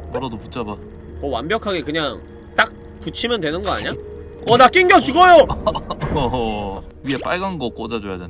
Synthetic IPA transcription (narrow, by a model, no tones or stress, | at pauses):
pʌɾʌdoput͡ɕʰaba | kʌwa̰mbjʌkʰaɡe̞kɯɲaŋ | t͈ak̚ | put͡ɕʰimjʌndwe̞nɯnɡʌa̰ɲa | ʌnak͈iŋɡjʌt͡ɕuɡʌjo | ɥie̞p͈aɭɡanɡʌk͈od͡ʑad͡ʑojaden